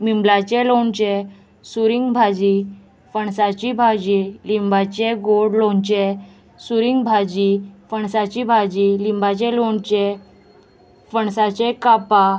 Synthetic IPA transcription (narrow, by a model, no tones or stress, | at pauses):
mimblat͡ɕɛloɳt͡ɕe | suɾiŋɡbʱad͡ʑi | fəɳsat͡ɕibʱad͡ʑilimbat͡ɕɛɡoɽloɳt͡ɕe | suɾiŋɡbʱad͡ʑifəɳsat͡ɕibʱad͡ʑilimbat͡ɕɛloɳt͡ɕɛ | fəɳsat͡ɕɛkapa